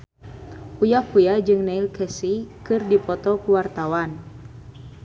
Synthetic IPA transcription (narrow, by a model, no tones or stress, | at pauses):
ʔujakujad͡ʒɨŋnɛilkʰɛsikɨrdipɔt̪ɔkuwart̪awan